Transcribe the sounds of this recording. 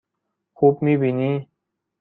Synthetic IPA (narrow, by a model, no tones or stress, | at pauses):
xuːpmibʱini